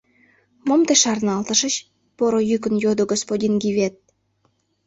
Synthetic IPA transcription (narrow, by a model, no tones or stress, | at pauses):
momt̪eʃɑrnɑlt̪əʃə̆t͡ɕ | poɾojyk̬ə̆njod̪oɡospodʲinɡiβʲet̪̚